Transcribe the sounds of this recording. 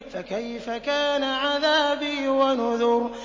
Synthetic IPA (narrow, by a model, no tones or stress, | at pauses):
fakajfakaːnaʕaðaːbiwanʊðʊɾ